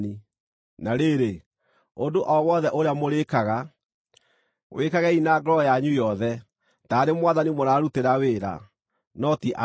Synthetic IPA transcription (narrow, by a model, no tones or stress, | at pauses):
i | naɾeɾe | ondoʔɔwɔðɛʔoɾeamoɾekaɣa | wʔekaɣɛinaːɡɔɾɔjaɲujɔðɛ | taɾemwaðanimoɾaːɾuteɾaweɾa̰ | nɔtiʔa